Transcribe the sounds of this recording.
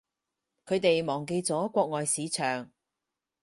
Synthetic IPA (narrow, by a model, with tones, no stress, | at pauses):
kʰɵ˨˧ɥt̪e˨jmɔː˨˩ŋk̬e˧jt͡sɔː˨˥kʷɔː˧k̚ŋɔː˨jsiː˨˧t͡ʃʰœː˨˩ŋ